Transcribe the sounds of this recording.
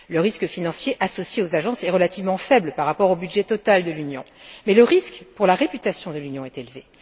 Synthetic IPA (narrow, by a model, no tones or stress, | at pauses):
ləʁiskəfinɑ̃sjeʔasɔsjeozaʒɑ̃sɛʁəlat̪ivmɑ̃fɛbləpaʁːapɔʁobyd̪ʒɛt̪ɔt̪ald̪əlynjɔ̃mɛləʁiskpuʁlaʁepyt̪asjɔ̃d̪əlynjɔ̃ɛt̪elve